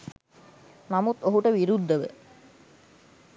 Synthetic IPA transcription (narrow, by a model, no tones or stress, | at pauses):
namut̪oɦuʈəʋiɾud̪ʱːəʋə̰